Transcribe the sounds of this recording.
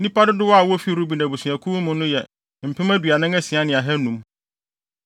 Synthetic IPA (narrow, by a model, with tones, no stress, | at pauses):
nĩ˦pa˦dɪ˦dɪ˦wɔ˦a˨wɔ˦fi˦˨ɾu˦bi˨nã˨bu˨sũ˨æ˨kʰu˦mʊ̃˦nʊ̃˦jɛ˨ | m̩˨pʰɪ̃˦mæ˦dɥa˨nɪ̃˦ŋæ˦sĩ˨a˦nɪ̃˨a˨ɦɛ˦nũ˨m